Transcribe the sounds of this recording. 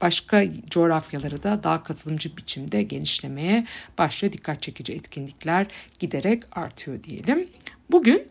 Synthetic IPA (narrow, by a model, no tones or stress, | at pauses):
b̥aʃkʰad͡ʒo̞ɾafjalˠaɾɯd̪ad̪akʰat̪ʰɯlˠɯmd͡ʒɯbit͡ʃʰimd̪ɛɟe̞niʃlʲe̞me̞jɛb̥aʃlˠajad̪ikʰːat̪̚t͡ʃʰe̞cid͡ʒiɛt̪cʰinlʲicʲlʲæɾɟ̥id̪e̞ɾɛca̰ɾt̪ʰɯjo̞d̪ije̞̰lʲimbuɟyn